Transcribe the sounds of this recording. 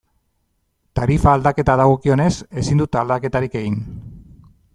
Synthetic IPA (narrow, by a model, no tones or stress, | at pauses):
t̪aɾifaːld̪ake̞t̪aðaɣ̞o̞kio̞ne̞se̞sind̪ut̪ald̪ake̞t̪aɾike̞ɣin